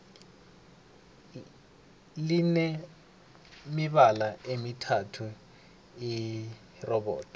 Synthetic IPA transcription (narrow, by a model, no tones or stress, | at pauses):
lɪnɛ | mɪβalaʔemitʰatʰu | i | rɔbɔ̰ːtʰ